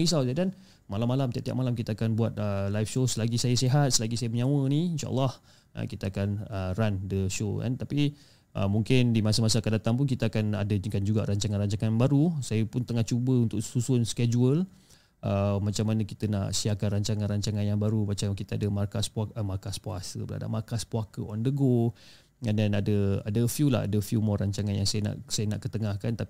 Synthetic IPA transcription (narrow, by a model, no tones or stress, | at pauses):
isawd͡ʒadan | malamːalamt̪iaʔ̚t̪ia̰ʔ̚malamkit̪əakanbuat̪̚əlajfʃosəlaɡisajəseɦat̪̚səlaɡisajəməɲãwəniinʃa̰ʔa̰lːɑh | ʔə̰kit̪əakanərandəʃo̰ka̰nt̪api | ʔə̰muŋkɪndimasəmasakadat̪aŋpʊnkit̪əakana̰dəkand͡ʒuɡaʔɾaɲt͡ʃaŋanraɲt͡ʃaŋanbaɾusajəpʊnt̪əŋaht͡ʃubəunt̪ʊʔsusuənskɛd͡ʒuəl | ʔəmat͡ʃamːanəkit̪əna̰ʔsiakanraɲt͡ʃaŋanraɲt͡ʃaŋanjaŋbaɾumat͡ʃakit̪əadəmarkaspaəmarkaspua̰sə̰bəa̰da̰makaspuakəɔndəɡo | danadəa̰dəfjula̰a̰dəfjumɔɾaɲt͡ʃaŋanjaŋsajəna̰ʔsajənaʔkət̪əŋahkant̪a